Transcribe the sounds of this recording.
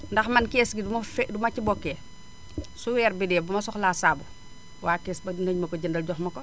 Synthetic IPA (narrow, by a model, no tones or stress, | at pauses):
ndɐxmɐnkeːsɡidumɐfdumɐcibɔkːeː | suwɛːɾbidɛːbumɐsɔxlasabu | waːkeːsbɐnəɲmɐkoɟəndɐlɟɔxmɐkɔ